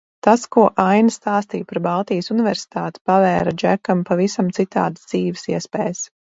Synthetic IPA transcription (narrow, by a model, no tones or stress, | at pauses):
t̪askuɔʔajnst̪aːst̪iːjpaɾbalˠt̪iːsunɪvɛɾsɪ̥t̪aːt̪i̥pavɛːɾad͡ʒækampavisamt̪sit̪a̰ːd̪szd̪ziːvɪ̥siɛspɛːjs